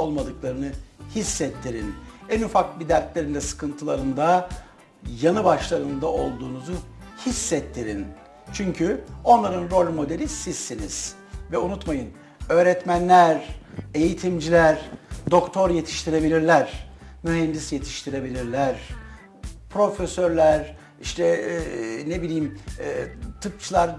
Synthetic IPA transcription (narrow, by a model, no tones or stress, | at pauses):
olˠmad̪ɯklˠaɾɯnɯhisːɛt̪ʰːiɾinɛnufak̚bid̪æɾt̪lʲe̞ɾind̪ɛsɯ̥kʰɯnt̪ʰɯlˠaɾɯnd̪a | janɯbaʃlˠaɾɯnd̪aʔo̞lˠd̪uːnuzuhisːɛt̪ʰːiɾin | t͡ʃʰyɲcʰyo̞nlˠaɾɯnɾo̞lʲmo̞d̪elʲisizːiniz̥ | vɛunut̪majɯn | ø̞ːɾɛt̪mænlʲæɾe̞jit̪ʰimd͡ʒilʲæɾd̪o̞kt̪ʰo̞ɾje̞t̪ʰi̥ʃt̪ʰiɾe̞bilʲiɾlʲæɾ̥myɦɛnd̪isje̞t̪ʰi̥ʃt̪ʰiɾe̞bilʲiɾlʲæɾ | pɾo̞fesøɾlʲæɾ | iʃt̪ʰɛ | nebilʲijmː | t̪ʰɯp̚t͡ʃʰɯlˠaɾ